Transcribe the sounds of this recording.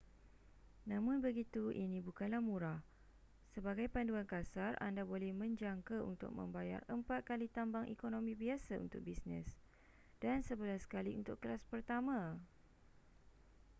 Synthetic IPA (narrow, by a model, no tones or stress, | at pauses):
nãmʊ̃nbəɡit̪uʔinĩbukanlahmuɾah | səbaɡajpanduankasarʔa̰ndabolɛhmə̃ɲd͡ʒaŋkaṵnt̪ʊ̰k̚mə̰̃mbaja̰rəmpat̪̚kalit̪ambaŋʔikonõmĩbiasaṵnt̪ʊk̚bisnɛ̰s | d̥ansəbəlasə̥kaliunt̪ʊkkːəɾaspərt̪amã